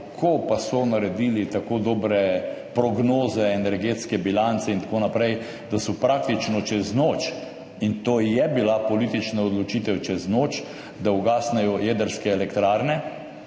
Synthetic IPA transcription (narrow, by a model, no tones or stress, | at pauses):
kʰopasɔnaɾɛd̪ilit̪akod̪oːbɾɛ | pɾɔɡnoːzɛːnɛɾɡeːt̪skɛbilant̪sɛint̪akoːnapɾɛj | d̪asɔpɾak̚t̪it͡ʃnɔt͡ʃɛznot͡ʃ | int̪oːjɛbilapɔlit̪it͡ʃnaɔd̪lɔt͡ʃiːt̪ɛwt͡ʃɛznoːt͡ʃ | d̪auɡaːsnɛjɔjed̪əɾskɛɛlɛkt̪ɾaːɾnɛ